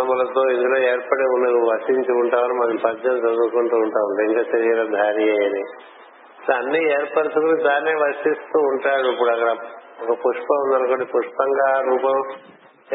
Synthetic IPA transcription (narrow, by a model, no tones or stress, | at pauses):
ɐmɐlɐt̪o̞ːind̪ulo̞ːeːɾpɐɽeunːɐʋɐʂiɲt͡ʃiuɳʈaːʋɐnimɐnɐmpɐd͡ʒɐmd͡ʒɐd̪uːkuɳʈuːɳʈaːuɳɖiiŋkaːt͡ʃɐɾiɡɐɾɐd̪ʱaːɾijejɐni | sɐnːieːɾpɐɾit̪ɐkulid̪aːnːeːʋɐʂist̪uːɳʈaːɽuip̬ːuɽuɐkːɐɽɐɔkɐpuʂpɐmund̪ɐnɐkoːɳɖipuʂpɐŋɡaːɾuːpɐm